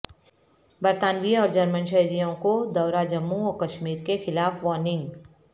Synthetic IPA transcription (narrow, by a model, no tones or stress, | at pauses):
bɐɾt̪aːnʋiɔːɾd͡ʒɐɾmənʃ̬ɐɦɾijõkod̪ɐʊɾad͡ʒɐmːuɔːkɐʃmiːɾkexɪlaːfʋɔːɾnɪ̃ŋɡ